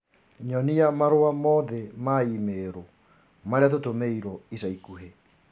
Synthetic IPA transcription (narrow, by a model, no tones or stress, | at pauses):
ɲɔniamaɾoamɔðɛmaimeɾo | maɾeatotomeiɾɔisaikuɦe